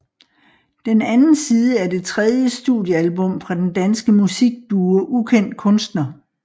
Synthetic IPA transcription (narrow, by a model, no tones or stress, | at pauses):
d̥enænn̩siːð̞ˠəæɐd̥e̝t͡sʰʁɛðˠjəsd̥uðˠjəælbɔ̽m̰fʁɑ̈d̥end̥ænsɡ̥əmusiɡ̥̚d̥uːɐʔukʰen̰d̥̚kʰɔ̽nsd̥nɐ